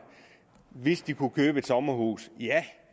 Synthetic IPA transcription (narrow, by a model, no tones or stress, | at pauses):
ʋe̝sd̥ikʰukʰøːb̥əe̝d̥sɒ̽mɐɦṵːsjæ